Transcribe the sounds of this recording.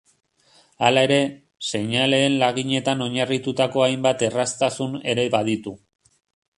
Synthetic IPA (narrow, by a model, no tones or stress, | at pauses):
alae̞ɾe̞ | se̞ɲale̞ːnlaɣ̞iɲe̞t̪ano̞ɲarit̪ut̪ako̞ajmbat̪e̞rast̪asune̞ɾe̞βaðit̪u